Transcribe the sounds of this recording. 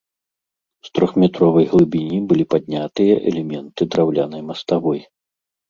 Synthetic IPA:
st̪ɾɔxmʲɛt̪ɾɔvɐjɣlˠɨbʲinʲibɨlʲipad̪ʲnʲat̪ɨjɐʔɛ̰lʲɛmʲɛnt̪ɨd̪ɾawlʲanɐjmɐst̪avɔj

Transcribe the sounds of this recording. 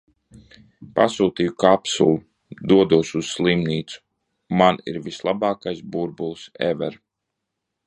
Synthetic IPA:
pasuːt̪iːjukapsṵlˠu | d̪uɔd̪uɔsuz̥slˠimniːt̪su̥ | maniɾvislˠabɑːkajsbuɾbulˠsɛ̰vɛ̰ɾ

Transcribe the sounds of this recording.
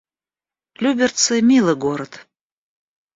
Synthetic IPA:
lʲybʲert̪sɨmʲilˠəɡoɾət̪

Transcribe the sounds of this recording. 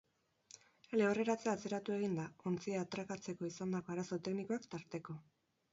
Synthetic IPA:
ele̞ore̞ɾat͡seat͡se̞ɾat̪ue̞ɣ̞ind̪ao̞nt͡siaːt̪ɾakat͡se̞ko̞isand̪ako̞aɾaso̞t̪e̞kniko̞akt̪aɾt̪e̞ko̞

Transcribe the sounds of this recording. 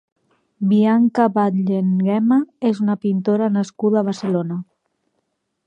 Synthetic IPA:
biaŋkaβat̪ʎeŋɡɛmaezunapint̪oɾanaskuðaːβaɾsəlona

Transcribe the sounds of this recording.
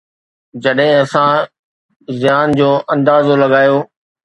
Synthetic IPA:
d͡ʑɐɗɦɪ̃ɐsã | zɪjaːnd͡ʑoːʔɐ̃nd̪aːzolɐɡaːjoː

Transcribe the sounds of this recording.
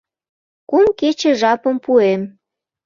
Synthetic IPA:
kumket͡ɕĕʒɑpəmpuem

